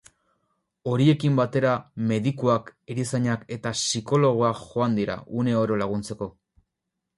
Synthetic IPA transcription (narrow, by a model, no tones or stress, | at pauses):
o̞ɾie̞kimbat̪e̞ɾame̞ðikuakeɾisaɲake̞t̪asiko̞lo̞ɣ̞oaxo̞and̪iɾa̰ʔune̞o̞ɾo̞laɣ̞unt͡se̞ko̞